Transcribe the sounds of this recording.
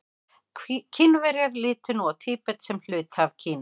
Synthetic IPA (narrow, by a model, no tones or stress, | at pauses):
cʰɪnvɛɾjaɾlɪːt̪ʏnɔɣt̪ʰiːpɛt̪sɛml̥ʏːt̪havcʰiːn